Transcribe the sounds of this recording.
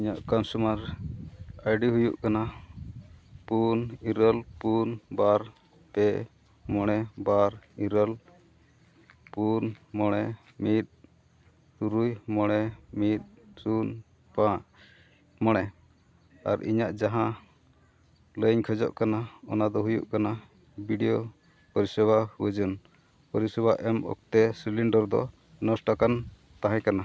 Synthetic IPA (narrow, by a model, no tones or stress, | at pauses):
iɲaʔkɔnsumaɾ | ajɖiɦujuʔkana | puniɾəlpunbaɾ | pɛʔ | mɔɽ̃ɛbaɾiɾəl | punmɔɽ̃ɛ | mit̪̚ | t̪uɾujmɔɽ̃ɛmit̪̚sun | pãʔ | mɔɽ̃ɛ | a̰ɾḭɲaʔd͡ʒaɦã | ləɲkʰəd͡ʒɔ̰ʔkanaɔ̰nad̪ɔɦujṵʔkana | biɖijo | pɔɾisɛbahuwəd͡ʒɔn | pɔɾisɛbaʔɛmɔ̰k̚t̪ɛsiliɳɖəɾd̪ɔ̰ | nɔsʈakan | t̪aɦãkana